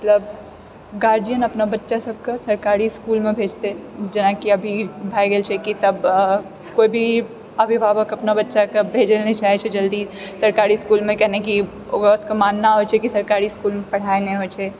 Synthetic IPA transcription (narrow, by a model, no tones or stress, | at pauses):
mət̪ləb | ɡaːɾd͡ʒijənəpnabətːʃasəb̚ʱkesəɾkaːɾiskuːlmẽbʱeːd͡ʒt̪ed͡ʒɐnakiəbʱibʱajɡelt͡ʃʰɛkisəb̚ʱ | koːibʱi | əbʱibʱabəkəpnabətːʃakebʱeːd͡ʒelnet͡ʃaɦɛt͡ʃʰɛd͡ʒəld̪isəɾkaɾiskuːlmẽkɛɦneki | oɡəskemaːnːaɦot͡ʃʰɛkisəɾkaɾiskuːlmẽpəɽ̤aeneɦot͡ʃʰɛ